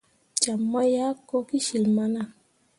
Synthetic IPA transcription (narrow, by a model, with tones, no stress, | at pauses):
t͡ʃa˨mːa˦ja˦ko˦ki˦ʃi˨lma˦na˦